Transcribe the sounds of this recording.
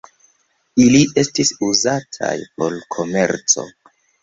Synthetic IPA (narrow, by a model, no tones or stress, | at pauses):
iliʔe̞stisuzatʰa̰jpo̞lkʰo̞me̞̰ɾt͡so̞̰